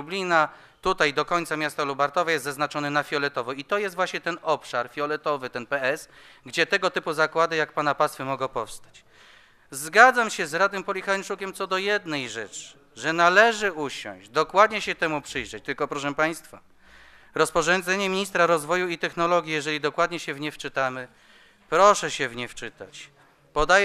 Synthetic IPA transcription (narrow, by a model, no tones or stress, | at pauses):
ublʲina | t̪ut̪ajd̪ɔkɔɲt̪samʲjast̪alubaɾt̪ɔvajɛst̪zaznat͡ʂɔnɛnafʲjɔlɛt̪ɔvɔit̪ɔjɛst̪vwaɕɲɛt̪ɛnɔpʂaɾfʲjɔlɛt̪ɔvɘt̪ɛnpɛɛsɡd͡ʑɛt̪ɛɡɔt̪ɘpuzakwad̪ɘjak̚panapast̪fɛmɔɡɔ̃pɔfst̪ḁt͡ɕ | zɡad̪zamɕɛzɾad̪ɛmpɔlʲixanʂukʲɛmt̪sɔd̪ɔjɛd̪nɛjʐɛt͡ʂ | ʐɛnalɛʐɘuɕɔ̰̃w̃ʑd̪ɔkwad̪ɲɛɕɛt̪ɛmupʂɘjʐɛt͡ɕt̪ɘlkɔpɾɔʂɛmpaj̃st̪fa | ɾɔspɔʐɔnd̪zɛɲɛmʲiɲist̪ɾaɾɔzvɔjuit̪ɛxnɔlɔɡʲijɛʐɛlʲid̪ɔkwad̪ɲɛɕɛvɲɛft͡ʂɘt̪amɘ | pɾɔʂɛɕɛvɲɛft͡ʂɘt̪a̰t͡ɕ | pɔd̪ajɛ